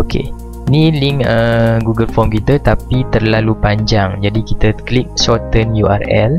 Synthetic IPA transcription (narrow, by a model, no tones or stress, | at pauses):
okʰḛ | nĩliŋəɡuɡəlfɔmkit̪ət̪apit̪ərlalupaɲd͡ʒaŋd͡ʒadikit̪əklik̚sɔt̪ənjuʔa̰rɛ̰l